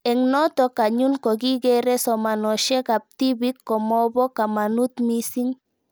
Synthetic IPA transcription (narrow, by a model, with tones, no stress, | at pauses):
ɛ˨ŋnɔ˦t̪ɔ˦ka˨ɲu˦nkɔ˨ɡi˦ɡɛ˦ɾɛ˦sɔ˨ma˨nɔ˨ʃɛ˦ka˨p̚t̪i˦bi˦kːɔ˨mɔ˦bɔ˦ka˨ma˨nu˦t̪mi˦si˦ŋ